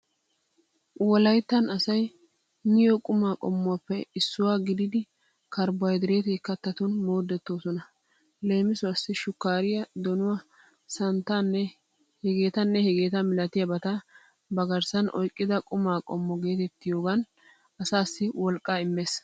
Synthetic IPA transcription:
wɔlɐjt̪ːɐnɐsɐj | nɪjokʼʊmaːkʼɔmːʊwapːɛɪsːʊwaːɡɪd̪ɪd̪ɪ | kɐɾbɐjd̪ɪɾe̞ːt̪eːkːɐt̪ːɐt̪ʊnmo̞ːd̪ːɛt̪ːo̞ːsɔnɐ | le̞ːmɪsʊɐsːɪʃʊkːaːɾɪjɐd̪ɔnʊwa | sɐnt̪ːanːɛ | hɛɡe̞ːt̪ɐnːɛhɛɡe̞ːt̪ɐmɪlɐt̪ɪjɐbɐt̪ɐ | bɐɡɐɾsɐnʔɔ̰jkʼːɪd̪ɐkʼʊmaːkʼɔmːɔɡe̞ːt̪ɛt̪ːɪjo̞ːɡɐn | ɐsaːsːɪwɔlkʼːaːɪmːeːs

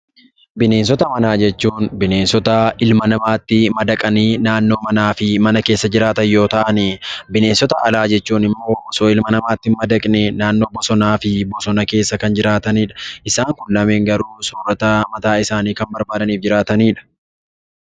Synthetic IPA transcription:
bɪne̞ːns̬ɔt̪ɐmɐnaːd͡ʒɛt͡ʃːuːnbɪneːnsɔt̪ɐʔɪlmɐnɐmaːt̪ːɪmɐd̪ɐkʼɐniːnaːnːo̞ːmɐnaːfɪmɐnɐke̞ːsːɐd͡ʒɪɾaːt̪ɐjjo̞ːt̪ɐʔɐnibɪne̞ːnsɔt̪ɐʔɐlaːd͡ʒɛt͡ʃːuːnɪmːo̞ːbɔsoːɪlmɐnɐmaːt̪ːɪmɐd̪ɐkʼnɛnaːnːo̞ːbɔsɔnaːfɪbɔsɔnɐke̞ːsːɐkɐnd͡ʒɪɾaːt̪ɐniːᶑɐʔɪsaːŋkʊlːɐme̞ːŋɡɐɾuːsoːrɐt̪ɐmɐt̪aːɪsaːniːkɐmbɐɾbaːd̪ɐniːfd͡ʒɪɾaːt̪ɐniːᶑɐ̥

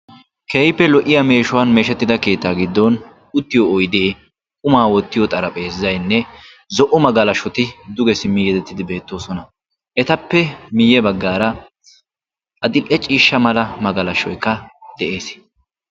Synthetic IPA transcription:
keːjpːɛlɔʔɪjɐme̞ːʃʊwɐnme̞ːʃɛt̪ːɪd̪ɐke̞ːt̪ːaːɡɪd̪ːɔn | ʊt̪ːɪjoɔjd̪eː | kʼʊmaːwɔt̪ːɪjɔt̪ʼɐɾɐpʼeːzɐjnːɛ | zɔʔʊmɐɡɐlɐʃɔt̪ɪd̪ʊɡɛsɪmːɪjɛd̪ɛt̪ːɪd̪ɪbe̞ːt̪ːo̞ːsɔnɐ | ʔɛt̪ɐpːɛmɪjːɛbɐɡːaːɾɐ | ʔɐd̪ɪlʔɛt͡ʃʼiːʃːɐmɐlɐmɐɡɐlɐʃːɔjkːɐd̪̥ɛʔe̞ːs

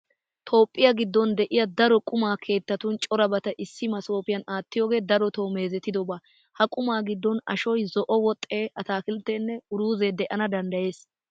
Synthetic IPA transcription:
t̪ʰo̞ːpʼːɪjɐɡɪd̪ːɔnd̪ɛʔɪjɐd̪ɐɾɔkʼʊmaːkʰe̞ːt̪ːɐt̪ʊnt͡ʃʼɔɾɐbɐt̪ɐʔɪsːɪmɐso̞ːpɪjɐnaːt̪ːɪjoːɡe̞ːd̪ɐɾɔt̪o̞ːmeːzɛt̪ːɪd̪ɔbaː | hɐkʼʊmaːɡɪd̪ːɔnɐ̰ʃɔjzɔʔɔwɔt̪ʼːeːɐt̪aːkɪlt̪ːeːnːɛʊɾuːzeːd̪ɛʔɐnɐd̪ɐnd̪ɐje̞ːs

